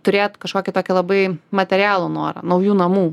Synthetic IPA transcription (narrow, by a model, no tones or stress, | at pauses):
t̪ʊɾʲeːt̪kɐʃkoːkʲɪt̪oːkʲɪlˠɐbɐɪmɐt̪ʲɛɾʲɪjæːlˠonoːɾɐ̰nɐʊjuːnɐmuː